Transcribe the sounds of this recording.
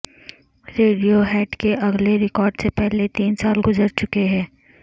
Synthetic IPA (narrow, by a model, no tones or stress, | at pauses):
ɾeːɖijoɦɛːʈkeʔɐɡleɾɪkɔːɾɖsepɛɦlet̪iːnsaːlɡʊzəɾt͡ʃʊkeɦɛ̃ː